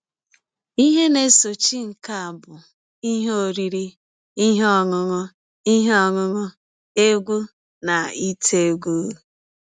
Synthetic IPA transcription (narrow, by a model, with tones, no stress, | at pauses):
i˦ɦe˦ne˨so˨t͡ʃi˦ŋ̩˨ka˨a˨bʊ˨ | i˦ɦe˦o˦˨ɾi˦ɾi˦ | i˦ɦe˦ɔ˦ŋʊ˦ŋʊ˦ | i˦ɦe˦ɔ˨ŋʊ˦ŋʊ˦ | e˦ɡʷu˦ | na˨i˦tʰe˦ɡʷu˦˨